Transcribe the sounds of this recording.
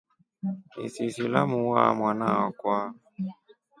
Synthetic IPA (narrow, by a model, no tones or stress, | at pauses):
ḭsisilamuwamwanawakwa